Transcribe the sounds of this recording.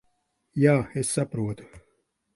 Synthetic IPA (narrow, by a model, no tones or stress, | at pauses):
jaːesːɐpɾuət̪u̥